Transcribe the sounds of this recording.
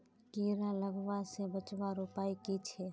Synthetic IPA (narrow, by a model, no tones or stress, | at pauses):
kiːɾaləɡʋasebət͡ʃbaɾopaːikit͡ʃʰɛ